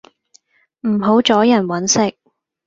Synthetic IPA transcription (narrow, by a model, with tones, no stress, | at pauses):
m̩˨˩ɦo˨˥wt͡ʃɔː˨˥jɐ˨˩nwɐ˨˥nsɪ˥k̚